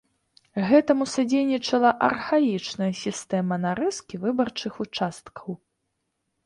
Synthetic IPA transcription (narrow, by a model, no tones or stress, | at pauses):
ɣɛt̪ɐmusad͡zʲejnʲit͡ʂɐlˠɐʔɐ̰rxajit͡ʂnɐjɐsʲist̪ɛmɐnaɾɨskʲivɨbɐrt͡ʂɨxut͡ʂast̪kʰɐw